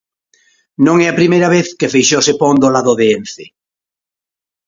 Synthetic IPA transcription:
nõŋɛapɾimejɾɐβeθkefejʃosepond̪olaðoðeenθe

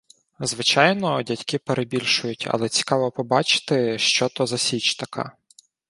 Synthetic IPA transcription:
zʋɪt͡ʃɑjnɔdʲɐtʲkɪpeɾʔebʲilʲʃʊjʊtʲɐ̰lˠɛt͡sʲi̥kɑʋɔpɔbɑt͡ʃɪ̥t̪ɪʃt͡ʃɔt̪ɔzɐsʲit͡ʃt̪ɐkʰɑ̰

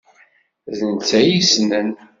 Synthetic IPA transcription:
ðənt͡sæjisnən

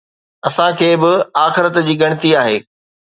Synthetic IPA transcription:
ɐsãkʰeːbɪaːxɪɾət̪d͡ʑiːɡɐɽ̃ɪt̪iaːɦeː

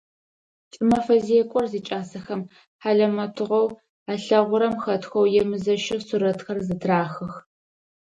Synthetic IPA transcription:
t͡ʃʼɨmɐfɐzijɛkʷʼɔrziːt͡ʃʼaːsɐxɐm | ħaɮɐmɐtʰɨʁɐw | aːɬɐʁʷʊɾɐmxɐtʰxʷɐwjɛmɨzɐʃɪsʊɾɐtxɐrzɨtʰraːxɐx

